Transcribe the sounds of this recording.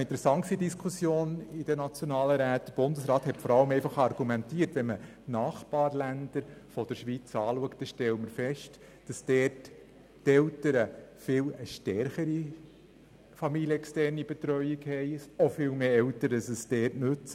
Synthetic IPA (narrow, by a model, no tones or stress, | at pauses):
ɪntɾɛsɑŋksidiskʰusjoːnid̥ənɑt͡sjonɑːləɾæːt̚d̥əɾb̥ʊndəsɾɑːthɛtfɔɾɑləmɛɪfɑχɑrɡ̥umɛntiːəɾtʋɛnmə | nɑːχb̥ɑːɾlænd̪̥əɾfɔd̥əɾʃʋit͡sɑːluəkt̚d̥əʃtɛləməɾfɛʃt | d̥ɑsd̥ɛːrtː | ɛltəɾəfɪləʃtɛɾχəɾi | fɑmiljəɛkstɛrnibɛt̪ɾœʏikhɛɪsofɪːlmeːɛltəɾdɑsəsdɛːrtnʉt͡sə